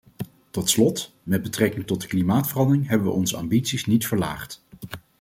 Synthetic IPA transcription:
tɔtslɔt | mɛd̚bətrɛkɪŋtɔt̚dəklimaːtfərɑndərɪŋɦɛbəʋə̰ʔɔnzəɑ̰mbitsisnitfəɹla̰ːχt

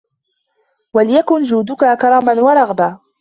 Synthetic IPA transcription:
walɪjakʊnd͡ʒuːd̪ʊkakɑɾˤɑːmanwɑɾˤɑɣbaː

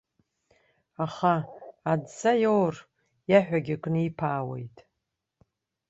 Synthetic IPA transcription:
aχaːdsajowr | jaħʷᶣaɡʲakʼnɨipʰaːwḛjtʼ

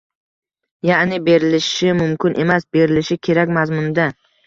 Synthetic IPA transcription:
jaʔnɪbe̞ɾɪlɪʃɪmʊmkʲʰɪnʔe̞masbe̞ɾɪlɪʃɪkʲʰe̞ɾakʲmazmʊnd̪a

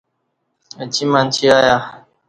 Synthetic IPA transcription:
ət͡ɕʰimant͡ɕʰiaja

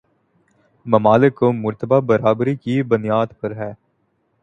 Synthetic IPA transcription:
mɐmaːlɪkːomʊɾt̪əbabəɾaːbɾikibʊnɪjaːd̪pɐɾɦɛː

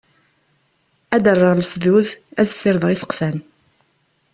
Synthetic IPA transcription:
æd̪ərˤːəʁlsðuθæθsːɪɾðˤʁisə̥qfæn

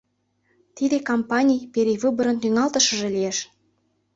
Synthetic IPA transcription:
t̪id̪ekompɑnʲijpeɾʲejvɨbə̆ɾɤ̆nt̪yŋɑlˠt̪ɤ̆ʃɤ̆ʒɤ̆lijeʃ

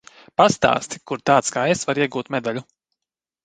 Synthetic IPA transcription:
past̪a̰ːst̪ikuɾt̪aːt̪skaːesvaɾiɛɡuːt̪mɛd̪alʲu

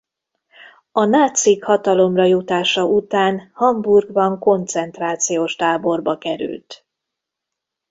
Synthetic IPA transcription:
ɒnaːt̪sikhɒt̪ɒlo̞mrɒjut̪aːʃɒʔut̪aːnhɒmburɡbɒŋko̞nt̪sɛnt̪raːt̪sijoːʃt̪aːbo̞rbɒkɛɾy̰lt̪

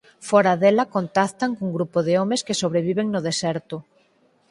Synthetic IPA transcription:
fɔɾaðɛlɐkont̪aθt̪aŋkuŋɡɾupoðɪɔmeskɪsoβɾeβ̞iβeŋnʊðesɛɾt̪ʊ

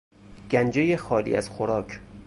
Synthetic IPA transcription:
ɡ̥ænd͡ʒejexɒːlḭːʔæz̥xoɾɒːkʰ

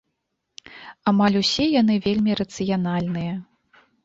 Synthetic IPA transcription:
amalʲusʲɛjanɨvʲelʲmʲiɾɐt̪sɨjan̪alʲnɨjɐ

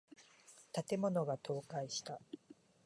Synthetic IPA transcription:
t̪at̪e̞mo̞no̞ɡat̪o̞ːkaiɕi̥t̪a

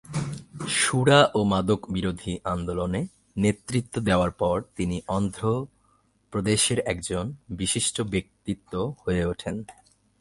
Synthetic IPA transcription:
ʃuɽaʔomad̪okbiɾod̪ʱiʔand̪olone | net̪ːɾit̪ːod̪eoaɾpɔɾt̪iniʔɔnd̪ʱɾo | pɾod̪eʃeɾɛkd͡ʑonbiʃiʃʈobek̚t̪it̪ːohoeoʈʰen

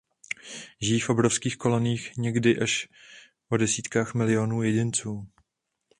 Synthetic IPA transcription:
ʒɪjiːfʔo̞bɾofskiːxko̞loniːxɲɛɡdɪʔaʃ | po̞dɛsiːt̪kaːxmɪlɪonuːjɛɟɪnt͡suː

